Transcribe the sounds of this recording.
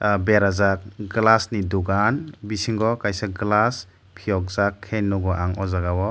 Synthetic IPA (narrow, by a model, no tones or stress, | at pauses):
beɾazak̚ɡlasniduɡanbisiŋɡɔkajsaɡlas | pʰijɔk̚zakʰːenːɔɡɔʔaŋɔzaɡawɔ